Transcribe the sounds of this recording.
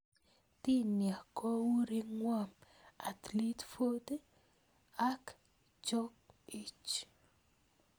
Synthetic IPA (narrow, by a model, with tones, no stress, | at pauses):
t̪i˦nja˨kʰɔ˦wu˦ɾi˦ŋwa˦˨m | a˨t̪li˦t̪fo˦d̪e˦ | a˦k | d͡ʒɔ˦ki˦t͡ʃ